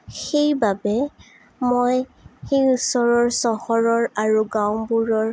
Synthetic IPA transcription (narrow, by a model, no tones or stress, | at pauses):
xejbabɛ | mojxejusɔɹɔɹsɔhɔɹɔɹaɹuɡaw̃buɹɔɹ